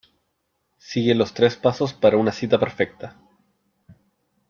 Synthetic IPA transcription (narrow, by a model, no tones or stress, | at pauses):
siɣenlo̞st̪ɾe̞spaso̞spaɾaunasit̪apeɾfek̚t̪a